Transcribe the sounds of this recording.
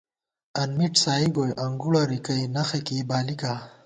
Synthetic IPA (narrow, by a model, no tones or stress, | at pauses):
ɐnmiʈsaːibojʔɐŋɡuɽaɾikɐjnɐxekibaːlika